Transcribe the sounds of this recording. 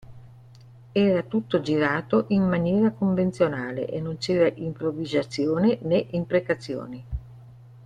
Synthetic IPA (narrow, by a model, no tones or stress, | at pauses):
ɛːɾat̪ut̪ːod͡ʒiɾaːt̪oʔimmanjɛːɾakoɱvent̪sjonaːlḛʔenːont͡ʃɛːɾaʔimpɾovizat̪sːjoːneneʔimpɾekat̪sːjo̰ːni